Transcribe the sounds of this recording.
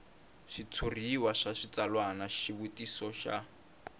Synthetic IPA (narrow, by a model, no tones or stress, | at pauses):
ʃit͡sʰuriwaʂaʃit͡salwanaʃiβutisɔʃa̰